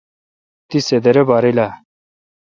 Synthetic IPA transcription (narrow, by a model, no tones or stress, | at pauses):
t̪ised̪eɾebaɾila